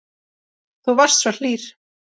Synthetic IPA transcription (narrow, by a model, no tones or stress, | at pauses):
θuvar̥st̪sval̥iːɾ̥